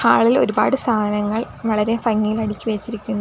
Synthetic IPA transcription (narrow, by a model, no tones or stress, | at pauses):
haːɭilo̞̰ɾuba̰ːɽɨst̪ʰaːɐnɐŋːɐɭ | ʋɐɭɐɾe̞fɐŋːijilɐɽikʲːɨʋeːt͡ɕːiɾikʲːunːu